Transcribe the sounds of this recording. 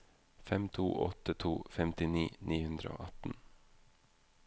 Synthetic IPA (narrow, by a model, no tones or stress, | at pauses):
fɛmt̪ʰṵːʔɔ̰t̪ət̪ʰuːfɛmt̪ɪniːnʔiːhʉnd̪ɾə̰o̰ːʔɑt̪n̩